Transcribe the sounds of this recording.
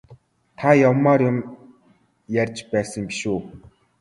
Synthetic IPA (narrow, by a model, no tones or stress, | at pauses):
t̪ʰajɔmːaːɾjʊm | jærʲt͡ɕpæːsə̆ŋpi̥ʃuː